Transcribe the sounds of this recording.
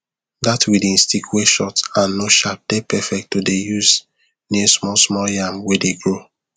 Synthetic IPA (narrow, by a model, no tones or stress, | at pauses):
datʰwidĩnstikʰweʃɔtãnːoʃap̚d̥epɛfɛk̚tːudejuz | nismɔsmɔljãmwedeɡɹo